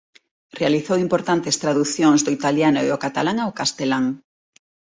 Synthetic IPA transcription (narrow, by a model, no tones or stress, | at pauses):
realiθowimpoɾt̪ant̪est̪ɾaðuθjoŋzðʊit̪aljanʊeʊkat̪alaŋaokast̪elaŋ